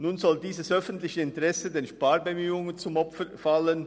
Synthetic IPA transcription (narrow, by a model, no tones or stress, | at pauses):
nuːnzɔldiːzəsʔœfən̩tlɪçəɪntəʁɛsədeːnʃpaːɾbəmyːʊŋənt͡sʊmɔpfəfalən